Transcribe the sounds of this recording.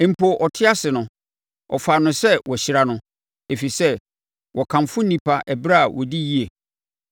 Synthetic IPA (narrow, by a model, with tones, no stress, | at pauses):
m̩˨pʰo˨ʔɔ˨tʰɪ˦a˦sɪ˨nʊ̃˨ | ɔ˨fa˨nʊ̃˨sɛ˦wɔ˨ɕɪ˨ɾa˨nʊ̃˦ | e˨fi˨sɛ˦ | wɔ˨kʰã˨mfʊ̃˦nĩ˨pʰa˦ʔɛ˨bɾa˦˨wʔɔ˨di˦ji˦e˨